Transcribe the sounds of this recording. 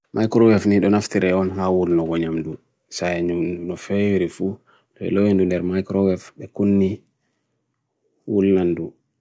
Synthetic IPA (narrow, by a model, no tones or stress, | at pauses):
mʔajkɾɔwɛfniɗɔnaftiɾɛɔnɦawulnɔɡɔɲamdu | saɛɲunɔfɛwiɾifu | ɗɔɛ̰lɔwindundɛɾmajkɾɔwɛfɓɛkunːi | wulnandu